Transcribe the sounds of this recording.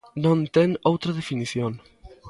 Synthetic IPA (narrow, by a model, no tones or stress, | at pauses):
nõnt̪ɛŋowt̪ɾɐðefiniθjoŋ